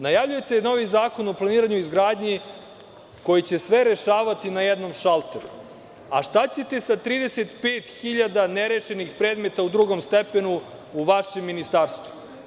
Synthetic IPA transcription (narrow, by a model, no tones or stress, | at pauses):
najavʎuje̞t̪eno̞ʋizaːko̞no̞plˠaniːɾaɲuizɡɾaːd̪ɲi | ko̞jit͡ɕe̞sʋe̞ɾe̞ʃaːʋat̪inajed̪no̞mʃalˠt̪ḛɾṵ | aʃt̪at͡ɕe̞t̪e̞sat̪ɾiːd̪e̞set̪pe̞ːt̪xiʎad̪aneɾeʃenixpɾe̞ːd̪met̪aud̪ɾuɡo̞mst̪epe̞nu | uʋaʃemːinist̪aːɾst̪vu̥